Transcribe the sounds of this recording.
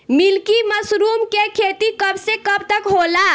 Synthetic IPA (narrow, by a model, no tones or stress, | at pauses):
milkiməsɾumkekʰet̪ikəbsekəbt̪əkɦola